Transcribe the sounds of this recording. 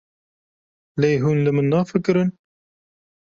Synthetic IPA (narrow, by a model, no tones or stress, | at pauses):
leːɦuːnlɨmɨnːɑːfɨkɨɾɨn